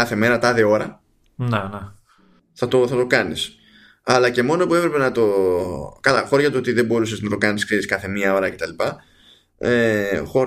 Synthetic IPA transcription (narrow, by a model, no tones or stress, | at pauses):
ɐθe̞me̞ɾɐt̪ɐðeo̞ɾɐ | nene | θɐt̪o̞θɐt̪o̞kɐnis | ɐlɐce̞mo̞nopue̞pɾe̞penɐt̪o̞kɐlɐxo̞ɾʝɐt̪uo̞t̪iðe̞bo̞ɾuseznɐt̪okɐniskiiskɐθe̞miɐo̞ɾɐce̞t̪ɐlipɐ | exo̞ɾ